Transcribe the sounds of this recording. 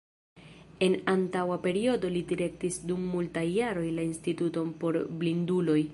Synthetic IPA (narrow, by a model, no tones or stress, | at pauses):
e̞nantawape̞ɾio̞do̞lidiɾe̞k̚tisdumːultajːaɾo̞jlainstituto̞npo̞ɾblindulo̞j